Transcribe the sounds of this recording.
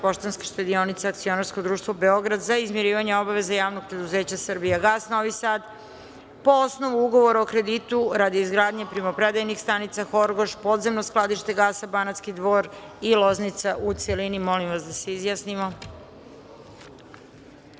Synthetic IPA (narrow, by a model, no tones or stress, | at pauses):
poʃt̪anskeʃt̪ed̪io̞nit̪seak̚t̪sio̞naɾskod̪ɾuːʃt̪vʋo̞be̞o̞ɡɾad̪zaizmjeɾiːʋaɲeo̞baʋe̞zajaːʋnoɡ̚pɾe̞d̪uze̞ːt͡ɕasr̩bijaɡaːsno̞ʋisaːd̪ | po̞osno̞ʋuuɡo̞ʋo̞ɾaokɾe̞d̪it̪uɾad̪iizɡɾaːd̪ɲepɾimapɾed̪ajnixst̪anit̪saxo̞ɾɡo̞ʃpo̞ːd̪ze̞mnosklˠad̪iʃt̪e̞ɡaːsabanat̪skid̪ʋo̞ːɾilˠo̞znit̪saʔut̪selinimo̞limʋasd̪aseizjasnimo̞